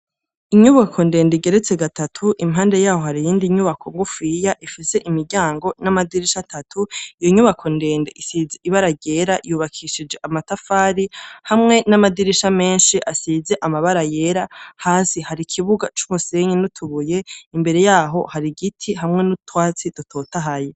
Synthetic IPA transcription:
iɲuβakʰo̞nde̞ːndiɡe̞ɾet͡seɡatatʰuʔimɦaːnde̞jaːho̞haɾijiːndiɲuβakʰo̞ŋɡufijaʔifise̞ʔimiɾɟaːŋɡo̞namadiɾiʃatʰatʰuijoɲuβakʰo̞nde̞ːndeʔisizeʔiβaɾaɟe̞ɾajuːβakʰiʃid͡ʒe̞ʔamatafaːɾihamŋe̞namadiɾiʃame̞ːnʃiʔasize̞ʔamaβaɾaje̞ɾahaːsihaɾikʰiβuɡat͡ʃu̥muse̞ɲinutʰuβuje̞imbe̞ɾe̞jaːɦo̞haɾiɡitʰiɦamŋe̞nutwaːt͡sid̥utʰo̞ːtaɦaje

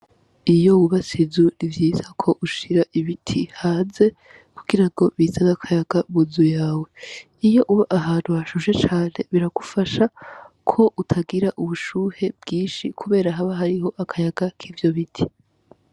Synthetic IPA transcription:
ijo̞uβasizunivjiːzakʰo̞ʔuʃiɾaʔiβitʰihaːnze̞ | kʰuɡiɾaŋɡo̞βiːzaβakʰajaɡ̥amuzujaːwe̞ | ijo̞ʔuβaʔaɦaːn̥huβaʃuʒe̞t͡ʃaːne̞βiɾaɡ̥ufaʃa | kʰo̞ʔutʰaɡiɾaʔuβuʃuːhe̞bɡiːnʃikʰuβe̞ːɾaɦaβaɦaɾiɦo̞ʔakʰajaɡakʰiːvjo̞βitʰi̥

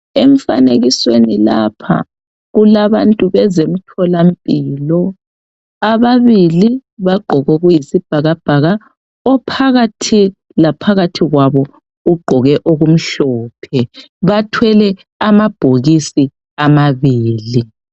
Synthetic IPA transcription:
eɱfa̰neɣiswenilapʰa̰ | ɣulaβantʼuβɛzem̩tʰɔlampʼiːlɔ | aβaβiliβaɡ͡ǃʱɔɣɔɣujisib̥ʱaɣab̥ʱaɣa | ɔpʰaɣatʰi | lapʰaɣatʰiɣwaβɔ | uɡ͡ǃʱɔɣɛʔoɣum̩ɬɔːpʰɛ | βatʰwɛlɛ | amab̥ʱoɣisi | amaβiːli

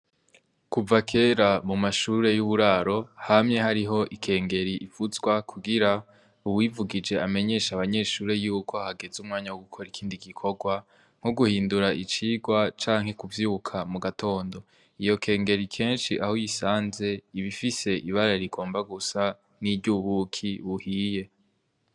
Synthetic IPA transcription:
kuvakʰe̞ːɾamumaʃuɾe̞juβuɾaɾo̞hamɲe̞haɾiɦo̞ʔikʰe̞ːŋɡe̞ɾiʔːv̥uzɡwakʰuɡiɾa | uwivuɡid͡ʒe̞ame̞ɲe̞ʃaβaɲe̞ːʃuːɾe̞juːko̞haɡe̞zumŋaːɲawoɡukʰo̞ɾikʰiːndiɡikʰo̞ɡwa | ŋ̥uɡuhiːnduɾaʔit͡ʃiːɡwat͡ʃaːŋ̥he̞kuvjiːβukʰamuɡatʰo̞ːndo̞ | ijo̞kʰe̞ːŋɡe̞ɾikʰe̞ːnʃiʔahojisaːnze̞iβifise̞ʔiβaɾaɾiɡo̞ːmbaɡusa | niɾɟuβukʰiβuhiːje̞

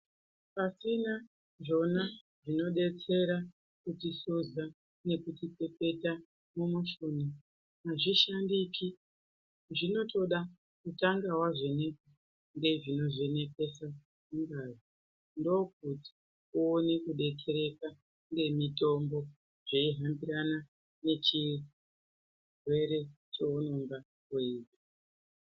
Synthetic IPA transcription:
pasina | ʐo̞na | ʐino̞ɗe̞t͡se̞ɾa | kutisoza | ne̞kutipe̞pe̞ta | mumuʃuna | naʐiʃandiki | ʐino̞to̞ɗa | kutaŋɡawaʐe̞ne̞ka | nɡe̞ʐino̞ʐe̞ne̞ke̞sa | muŋɡazi | ndo̞k̚uti̥ | uone̞kuɗe̞kʰe̞ɾe̞ka | ŋɡe̞mito̞mbo̞ | ʐ̥e̞iɦambiɾana | ne̞t͡ʃi | rwe̞ɾe̞ | t͡ʃeonoŋɡa | kweiːta

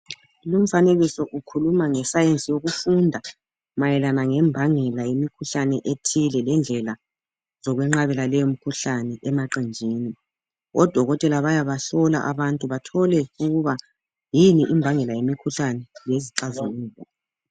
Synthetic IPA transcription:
lum̩faneɣisɔʔukʰulumaŋɛsajent͡sʼijoɣufundʱa | majɛlanaŋɛmbʱaŋɛlajemikʰuɬanɛʔetʰilɛlɛnd͡ɮʱɛla | zɔɣwɛŋ͡ǁaβɛlalɛjom̩kʰuɬanɛʔɛmaǃind͡ʒʱiːni | ɔd̥ʱɔɣɔtʼɛlaβajaβaɬɔla̰ʔaβantʼuβatʰɔlɛuɣuβa | jiniʔimbʱaŋɛlajemikʰuɬanɛjeziǃazoliːzɔ

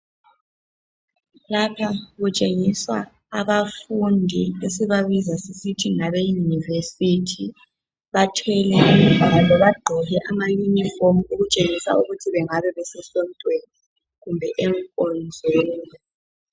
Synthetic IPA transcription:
lapʰaɣut͡ʃʼeŋiswaː | βafundʱiesiβaβizasisitʰiŋaβejunivesitʰi | βatʰwɛlɛʔim̩vʱaalɔβaɡ͡ǃʱɔɣɛʔamaɲiɲifomuuɣut͡ʃʼeŋisa̰uɣutʰiβɛŋaβɛβɛsɛsom̩tʼweni | ɣumbʱɛʔɛŋkʼɔnd͡zʱɛlɛ

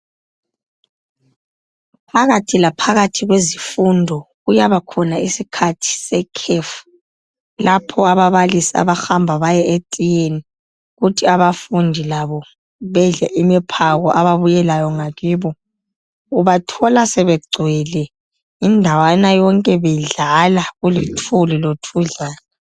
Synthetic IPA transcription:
pʰaɣatʰilapʰaɣatʰiɣwezifundʱɔɣujaβakʰɔnaisikʰatʰi̥sɛkʰɛfu̥ | lapʰɔaβaβalisia̰βaxambʱaβajɛʔetʼijeni | ɣutʰiaβafundʱilaβɔ | βɛɮɛʔimipʰaɣɔʔaβaβujɛlajɔŋaɣiːβɔ | uβatʰɔlasɛβɛɡ͡ǀʱwɛlɛ | indʱawanajɔŋkʼɛβɛɮalaɣulitʰulilotʰuɮaːna

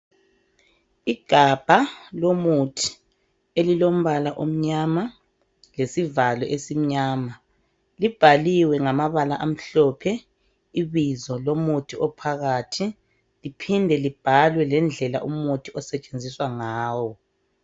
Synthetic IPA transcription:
iɡ̥ʱab̥ʱalomutʰi̥ | elilom̩βalaʔom̩ɲama | lesivalɔʔesim̩ɲaːma | lib̥ʱaliwɛŋamaβalaʔam̩ɬɔːpʰɛ | iβizɔlomutʰiʔɔpʰaɣaːtʰi | lipʰindʱɛlib̥ʱalwɛlɛnd͡ɮʱɛla̰ʔumutʰiɔsɛt͡ʃʼend͡zʱiswaŋaːwɔ

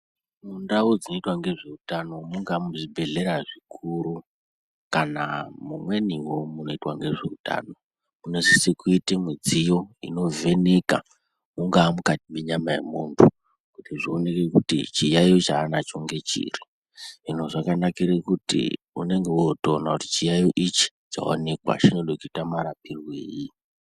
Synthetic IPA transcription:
mundaud͡zino̞itwaŋɡe̞ʐe̞utano̞muŋɡamuʐibʱe̞ɮe̞ɾaʐikʰuɾu | kanamumwe̞niwomuno̞itwaŋɡe̞ʐe̞uta̰no | munesisekuitemid͡zijo̞ḭno̞ve̞neka̰ | uŋɡaːmukatiɓeɲamajḛmuntʰu | kutiʐio̞ne̞kekutḭt͡ʃijaiot͡ʃaːnat͡ʃo̞ŋɡe̞t͡ʃḭri | ino̞ʐakanakiɾekutḭ | une̞ŋɡe̞uotoːnakuti̥t͡ʃijaioʔit͡ʃi̥t͡ʃa̰o̰ne̞kwa̰t͡ʃino̞ɗokitamaɾapirwḛːji

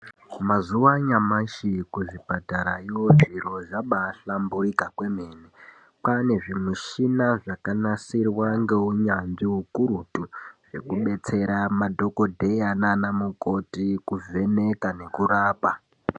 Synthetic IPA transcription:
mazuwaɲamaʃikuʐibʱataɾaiwoʐiro̞ʐaɓaːɬambuɾikakwe̞me̞ːne | pane̞ʐimuʃinaʐakanasirwaŋɡe̞uɲanʐiɦukuɾutuʐ̥e̞kuɓe̞t͡se̞ɾamadʱo̞ko̞dʱe̞jananamuko̞tikuve̞ne̞kane̞kuraːpa

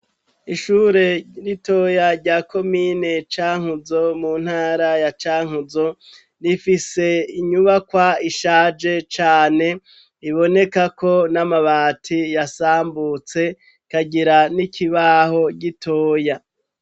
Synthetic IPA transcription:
iʃuːɾe̞ɾito̞jaɾɟaːkʰo̞mine̞t͡ʃaːŋ̥huzo̞muːn̥haːɾajat͡ʃaːŋuzo̞ | nifise̞iɲuβakwaiʃaːd͡ʒe̞t͡ʃaːne̞ | iβo̞ne̞kako̞namaβaːtʰijasaːmbut͡se̞ | kaɟiɾanikʰiβaːho̞ɟitʰoːja

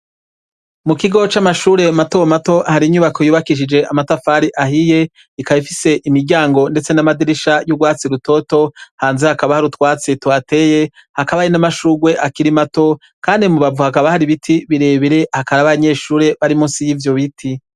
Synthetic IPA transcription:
mukiɡo̞t͡ʃamaʃuːɾe̞matomato̞ʔahaɾiɲuβakojuːβakiʃ̬id͡ʒe̞amatafaːɾiʔahije̞ | ikaβifise̞ʔimiɾɟaːŋɡo̞nde̞t͡se̞namadiɾiʃajuɡwaːt͡siɾuto̞to̞haːnzehakaβahaɾutwaːt͡setwate̞ːje̞ | hakaβajinamaʃuːɡwe̞ʔakiɾimato̞ | kaːndimuβavuhakaβahaɾiβitʰiβiɾe̞ːβiɾe̞hakaɾaβaɲe̞ːʃuːɾe̞βaɾimusijivjo̞βitʰi

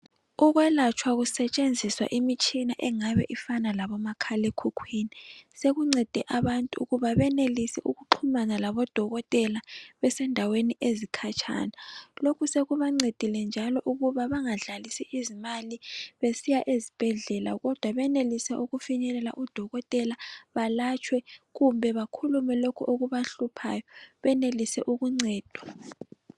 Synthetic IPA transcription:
uɣwɛlat͡ʃʰwaɣusɛt͡ʃʼend͡zʱiswa̰ʔimit͡ʃʼinaʔɛŋaβɛ̰ʔifanalaβɔmakʰalɛkʰukʰwiːniseɣuŋ͡ǀɛd̥ʱɛʔaβantʼuṵɣuβaβɛnelisiʔuɣuǃʰumanalaβɔd̥ʱɔɣɔtʼɛlaβɛsɛndʱaweniʔezikʰat͡ʃʰʼa̰ːnalokʰuseɣuβaŋ͡ǀed̥ʱilɛnd͡ʒʱalɔʔuɣuβaβaŋaɮalisiʔizimaliβesijaʔezib̥ʱɛɮɛla̰ɣɔd̥ʱwaβɛnelisɛʔuɣufiɲɛlɛla̰ʔud̥ʱɔɣɔtʼɛlaβalat͡ʃʰʼwɛɣumbʱɛβakʰulumɛlokʰuʔoɣuβaɬupʰajɔβɛnelisɛ̰ʔuɣuŋ͡ǀɛːd̥ʱwa

